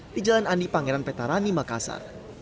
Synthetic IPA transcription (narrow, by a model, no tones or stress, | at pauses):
d̥id͡ʒalanandipaŋeɾanpɛt̪aɾanimakasa̰r